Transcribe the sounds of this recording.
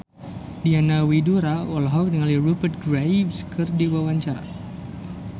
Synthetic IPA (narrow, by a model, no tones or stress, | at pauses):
dianawiduɾaʔɔlɦɔk̚niŋalirupərt̪̚ɡɾajbskʰɨrdiwawaɲt͡ʃaɾa̰